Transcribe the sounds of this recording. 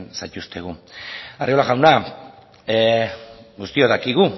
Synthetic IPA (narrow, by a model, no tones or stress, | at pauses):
nsajt̪ust̪ʰe̞ɣ̞uario̞laɣawna | ɡust̪ioðakiɣ̞u